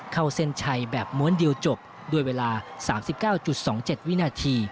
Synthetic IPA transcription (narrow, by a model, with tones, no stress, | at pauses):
kʰa˧˩wse˧˩nt͡ɕʰa˧jbɛː˨˩p̚mu˦˥əndi˧əwt͡ɕo˨˩p̚ | duː˧əjweː˧laː˧saː˩˦msi˨˩p̚kaː˥˩wt͡ɕu˨˩t̪̚sɔː˩˦ŋt͡ɕe˨˩t̪̚wi˦˥naː˧t̪ʰiː˧